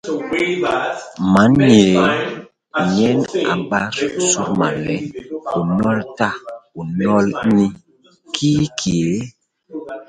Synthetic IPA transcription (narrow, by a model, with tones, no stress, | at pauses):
ma˨˦nɲe˨˦ | ɲɛ˦na̰˨ba˦ɾsu˦ɾma̰˨lɛ˨˦u˨nɔ˦lta˦u˨nɔ˦lni˦ | kʰi˦kʰi˨e˨˦